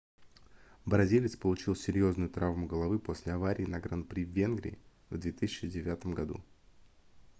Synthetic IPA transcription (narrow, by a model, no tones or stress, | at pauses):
bɾɐzʲilʲɪt̪spəlˠʊt͡ɕilˠsʲɪɾʲjo̞znʊjʊt̪ɾʔavmʊɡəlˠɐvɨpo̞sʲlʲɪɐvaɾʲɪːnɐɡɾanpɾʲivʲːe̞nɡɾʲɪ̰ɪ | vd̪vʲe̞t̪ɨsʲɪt͡ɕɪdʲɪvʲat̪əmɡɐd̪ṵ